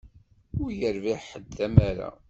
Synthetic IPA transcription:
ʊɾjəɾviʕħəd̪ːæmæɾa̰

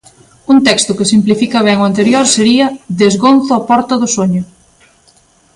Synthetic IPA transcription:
unt̪ɛkst̪ʊkesimplifikɐβ̞ɛŋwant̪̬eɾjoɾseɾiɐðezɣonθʊapɔɾt̪ɐðʊsoɲʊ

